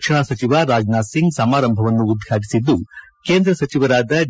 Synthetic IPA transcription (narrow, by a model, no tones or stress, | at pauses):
kʂɐɳasɐt͡ʃiʋaːɾaːd͡ʒnaːsiŋɡsɐmaːɾɐmbʱɐʋɐnːuːd̪̚ɡʱaːʈisid̪ːu | keːnd̪ɾɐsɐt͡ʃiʋɐɾaːd̪ɐ